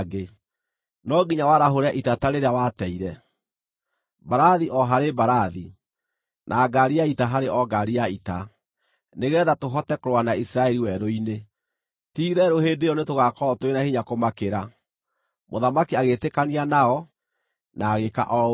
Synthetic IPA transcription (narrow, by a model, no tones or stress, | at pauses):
ɡe | nɔɡiɲawaɾaɦoɾaʔitataɾeɾeawatɛiɾɛ | baɾaðiʔɔɦaɾebaɾaði | nʔaːɡaɾiaitaɦaɾeʔɔɡaɾiaita | neɣɛðatoɦɔtɛkoɾoanaisiɾaɛɾiwɛɾoine | tiːðɛɾoheːdeɔnetoɣakɔɔtowenahiɲakomakeɾa | moðamakiaɣetekanianaɔ | naːɣeka̰ʔɔ